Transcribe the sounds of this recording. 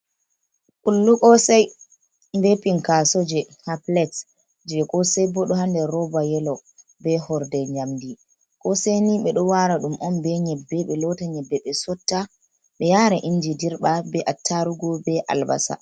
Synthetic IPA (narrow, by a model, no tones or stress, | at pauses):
kulːukɔsaj | mbepiŋkasod͡ʒɛhaplɛt | d͡ʒɛkɔsɛjbɔɗɔhandɛɾɔbajɛlɔ | bɛhɔɾdɛɲamdi | kɔseniɓɛɗɔwaɾaɗumʔɔnbɛɲɛbːɛɓɛlɔtaɲɛbːɛɓɛsɔtːa | ɓɛjaɾɛʔind͡ʒidiɾɓabɛʔatʰːaɾuɡɔbɛʔa̰lba̰sa̰